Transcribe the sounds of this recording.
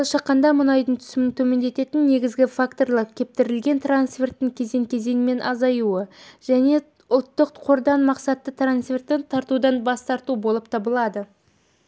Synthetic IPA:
olˠɑʃɑqːɑnd̪ɑmʊnɑjd̪əɴt̪ʰʏ̥sɪmɪnt̪ʰɵme̞nd̪e̞t̪e̞t̪ɪnːe̞ɡʲɪzɡʲɪfakt̪o̞rlˠɑpkʲʰe̞p̚t̪ɪɾɪlɡʲe̞nt̪ransfʲe̞rt̪ːɪŋkʲʰe̞ze̞ŋkʲʰeze̞ŋɪme̞nʔɑzɑjuəʒ̥æne̞ | ʊlˠt̪ːəqqʰo̞ɾd̪ɑnmɑqsɑt̪ːət̪ʰransfe̞rt̪ːɪnt̪ʰɑɾt̪ud̪ɑnbɑst̪ɑɾt̪ubo̞lˠəp̚t̪ʰɑbəlˠɑd̪ə

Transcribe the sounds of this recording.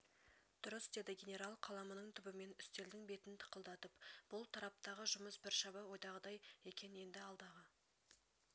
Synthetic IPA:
d̪̥ʊɾəsd̪e̞d̪ɪɡʲe̞nʲe̞ɾalˠqʰɑlˠɑmənəɴt̪ʰʏbɪme̞nʏst̪e̞ld̪ɪŋbe̞t̪ɪnt̪ʰə̥qəlˠd̪ɑt̪əpb̥ʊlˠt̪ʰɑɾɑp̚t̪ɑʁəʒʊməsbɪɾʃɑbɑwo̞jd̪ɑʁəd̪ɑje̞kʲʰe̞ne̞nd̪ɪɑlˠd̪ɑʁə

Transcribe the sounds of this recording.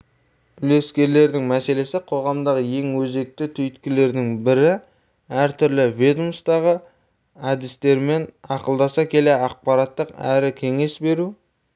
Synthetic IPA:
bɪle̞skʲe̞ɾle̞ɾd̪ɪŋmæse̞le̞sɪqʰo̞ʁɑmd̪ɑʁəje̞ŋwɵze̞k̚t̪ɪt̪ʰʏjt̪kʲɪle̞ɾd̪ɪŋbɪɾɪ | æɾt̪ʰʏɾlɪved̪umst̪ɑʁə | ɑd̪ɪst̪e̞ɾme̞nɑqəlˠd̪ɑsɑkʲʰe̞le̞ɑq̚pɑɾɑt̪ːəqæɾɪkʲʰe̞ŋe̞sbe̞ɾu

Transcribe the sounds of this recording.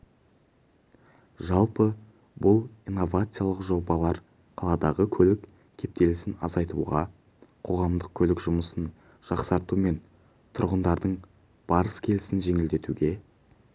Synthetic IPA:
ʒɑlˠpə | bʊlˠijnːo̞vat̪sɨjalˠəqʒo̞bɑlˠɑɾ | qʰɑlˠɑd̪ɑʁəkʲʰɵlɪk | kʲʰe̞p̚t̪e̞lɪsɪnɑ̰zɑjt̪ṵʁɑ | qʰo̞ʁɑmd̪əq̚kʲʰɵlɪkʒʊməsən | ʒ̥ɑqsɑɾt̪ume̞n | t̪ʰʊɾʁənd̪ɑɾd̪əɴ | b̥ɑɾəskʲʰe̞lɪsɪnʒe̞ŋɪld̪e̞t̪uɡʲe̞

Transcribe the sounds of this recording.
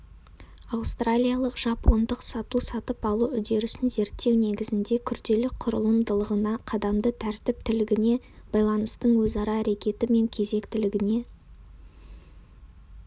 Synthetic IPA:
ɑwst̪ralʲijalˠəqʒ̥ɑpʰːo̞nd̪əqsɑt̪usɑt̪əpɑlˠuʏd̪e̞ɾʏsɪnze̞ɾt̪ːe̞wne̞ɡʲɪzɪnd̪e̞kʲʰʏɾd̪e̞lɪk̚qʰʊɾə̰lˠəmd̪əlˠəʁənɑqʰɑd̪ɑmd̪ət̪ʰæɾt̪ɪp̚t̪ʰɪlɪɡʲɪne̞ | b̥ɑjlˠɑnəst̪əɴwɵzɑɾɑːɾe̞kʲe̞t̪ɪme̞ŋkʲʰe̞ze̞kt̪ɪlɪɡʲɪne̞

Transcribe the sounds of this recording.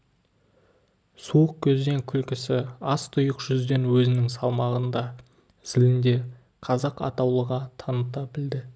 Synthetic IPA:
suəq̚kʲʰɵzd̪e̞ŋkʲʰʏlkʲɪsɪɑst̪ʰʊjəqʒ̥ʏzd̪e̞nwɵzɪnɪŋsɑlˠmɑʁənd̪ɑ | sɪlɪnd̪e̞ | qʰɑzɑqɑ̰t̪ɑwlˠəʁɑt̪ʰɑnət̪ɑbɪld̪ɪ

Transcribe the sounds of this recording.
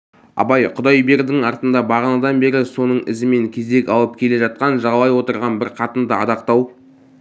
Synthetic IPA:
ɑ̰bɑjqʰʊd̪ɑjbe̞ɾd̪ɪŋɑɾt̪ənd̪ɑbɑʁənɑd̪ɑnbe̞ɾɪso̞nəɴɪ̰zɪme̞ŋkʲʰe̞zd̪e̞kʲɑlˠəp̚kʲʰe̞le̞ʒɑt̪̚qɑnʒɑʁɑlˠɑjwo̞t̪əɾʁɑnbɪɾqʰɑt̪ənd̪əɑ̰d̪ɑq̚t̪ɑw

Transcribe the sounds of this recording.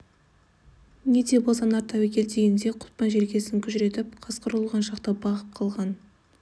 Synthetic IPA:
ned̪e̞bolˠsɑnɑɾt̪ʰːɑwekʲʰe̞lt̪ʰeɡʲend̪e̞qʰʊ̥t̪̚pɑnʒe̞ɾɡʲe̞sɪŋkʲʰʏʒɪɾe̞t̪ɪp̚qʰɑsqəɾəlˠʁɑnʃɑqt̪əbɑʁəp̚qʰɑlˠʁɑn

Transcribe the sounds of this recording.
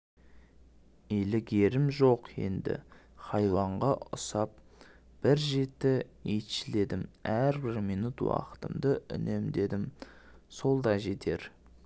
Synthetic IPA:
elɪkʲeɾɪmʒoqje̞̰nd̪ɪ̰χɑjwɑɴʁɑʊ̰sɑp | b̥ɪɾʒe̞t̪ːɪet̪ʃɪle̞d̪ɪmæɾbɪɾmijnut̪wɑ̰qə̥t̪əmd̪əʏ̰ne̞md̪e̞d̪ɪm | so̞lˠd̪ɑʒe̞t̪ʰe̞ɾ

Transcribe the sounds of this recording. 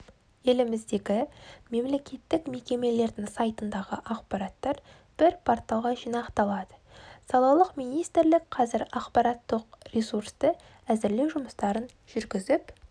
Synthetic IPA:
je̞lɪmɪzd̪e̞ɡʲɪme̞mle̞kʲʰe̞t̪ːɪkme̞kʲe̞me̞le̞ɾd̪ɪŋsɑjt̪ənd̪ɑʁəʔɑqpɑɾɑt̪ːɑɾ | b̥ɪɾpʰo̞rt̪ɑlˠʁɑʒijnɑqt̪ɑlˠɑd̪əsɑlˠɑwlˠəqmijnijst̪ɪɾlɪkqʰɑzɪɾɑqpɑɾɑt̪ːəqrʲesuɾst̪ə | æzɪɾle̞wʒʊməst̪ɑɾən | ʒ̥ʏɾɡʲɪzɪp

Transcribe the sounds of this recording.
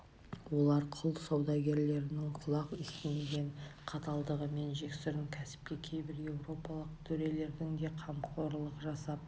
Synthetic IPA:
wo̞lˠɑɾqʰʊlˠsɑwd̪ɑɡʲe̞ɾle̞ɾɪnɪŋqʰʊlˠɑqɪst̪ɪneɡʲe̞ɴqʰɑt̪ɑlˠd̪əʁəme̞nʒe̞ksʏɾɪŋkʲʰæsɪ̥p̚kʲe̞kʲʰe̞jbɪɾje̞wɾo̞pɑlˠəqt̪ʰɵɾe̞le̞ɾd̪ɪŋd̪e̞qʰɑmqʰo̞ɾlˠəqʒɑsɑp̚

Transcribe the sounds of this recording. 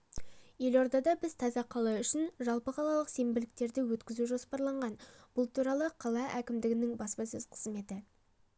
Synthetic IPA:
je̞lo̞ɾd̪ɑd̪ɑbɪzt̪ʰɑzɑqʰːɑlˠɑʏʃɪnʒɑlˠpəqʰɑlˠɑlˠəqse̞mbɪlɪk̚t̪e̞ɾd̪ɪwɵt̪kʲɪzuʒo̞spɑɾlˠɑɴʁɑnb̥ʊlˠt̪ʰuɾɑlˠəqʰɑlˠɑʔækʲɪmd̪ɪɡʲɪnɪŋbɑspɑsʏz̥qʰə̥z̥me̞t̪ɪ

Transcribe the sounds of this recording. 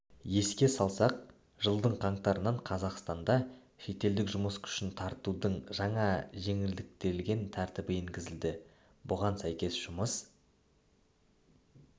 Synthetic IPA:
je̞skʲe̞sɑlˠsɑq̚ | ʒəlˠd̪əɴqʰɑɴt̪ɑɾənɑɴqʰɑzɑqst̪ɑnd̪ɑ | ʃe̞t̪e̞ld̪ɪkʒʊməskʰʏ̥ʃɪnt̪ʰɑɾt̪ud̪əɴʒɑɴɑʒe̞ŋɪld̪ɪk̚t̪e̞ɾɪlɡʲe̞nt̪ʰæɾt̪ɪbɪiŋɡʲɪzɪld̪ɪ | bʊʁɑnsæjkʲe̞sʒ̥ʊməs

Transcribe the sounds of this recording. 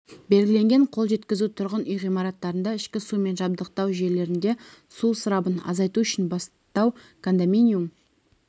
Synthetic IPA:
be̞lɡʲɪle̞ŋɡʲe̞ɴqʰo̞lˠʒe̞t̪kʲɪzut̪ʰʊɾʁənijʁijmɑɾɑt̪ːɑɾənd̪ɑɪʃkʲɪsume̞nʒɑb̚d̪əq̚t̪ɑwʒe̞ɾle̞ɾɪnd̪e̞susəɾɑbənɑ̰zɑjt̪uʏʃɪnbɑs | t̪ɑwkʰond̪aminʲium

